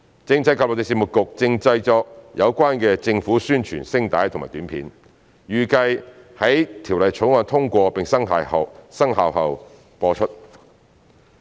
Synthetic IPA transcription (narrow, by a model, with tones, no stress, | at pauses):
t͡sɪ˧ŋt͡sʰɐ˧˥jkaː˨lo˨˩t̪e˨˩siː˧˩mʊ˨t̚kʊ˨k̚t͡sɪ˧ŋt͡sɐ˧jt͡sɔː˧k̚jʔɐ˨˧wkʷaː˥nkɛː˧t͡sɪ˧ŋfuː˨˥syː˥nt͡ʃʰy̰ː˨˩nsɪ˥ŋt̪a̰ː˨˥jt̪ʰʊ˨ŋmaː˨˩t̪yː˨˥npʰḭː˨˥n | jyː˨˩kɐ˧jhɐ˨˥jt̪ʰiː˨˩wlɐ˨jt͡ʃʰʊ˨˥ŋwaː˧nt̪ʰʊ˥ŋkʷɔː˧pɪ˨ŋsɐ˥ŋɦa̰ː˨˩jhɐ˨wsɐ˥ŋɦa̰ː˨wɦɐ˨w | pɔː˧t͡ʃʰɵ˥t̚